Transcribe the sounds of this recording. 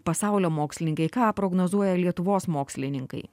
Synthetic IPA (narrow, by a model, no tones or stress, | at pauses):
pɐsɑˑʊlʲoːmoːksʲlʲɪnʲɪŋkɐɪkɑːpɾoːɡnoːzuɔjɛlʲiɛt̪ʊʋoːsmoːksʲlʲɪnʲɪŋkɐ̰ɪ